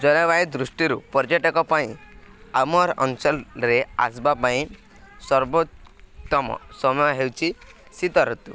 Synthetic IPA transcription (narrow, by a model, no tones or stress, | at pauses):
d͡ʒɔnɔβajd̪ɾusʈiɾupɔɾd͡ʒɔʈɔkɔpaĩ | amɔɾɔ̰nsɔlɾea̰sbapaĩ | sɔɾbotːɔmɔ̰sɔmɔjɔɦewt͡ʃʰi | sit̪ɔɾɔt̪ṵ